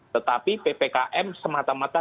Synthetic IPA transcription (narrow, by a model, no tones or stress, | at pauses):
t̪ət̪apipepekaʔɛmsəmat̪amat̪a